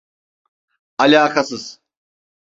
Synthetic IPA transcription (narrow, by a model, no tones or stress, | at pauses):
alʲaːkʰasɯz̥